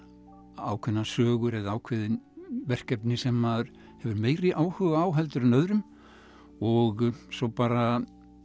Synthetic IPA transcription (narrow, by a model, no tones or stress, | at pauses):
aːwkʰvɛnːasœːɣʏɾɛðaaːwkʰvɪðɪnvɛr̥cɛpnɪsɛmað | hɛvʏɾmeːjɾɪʔaːwhʏɣaaːwɦɛlt̪ʏɾʏnœðɾʏm | ɔɣsɔwpaːɾa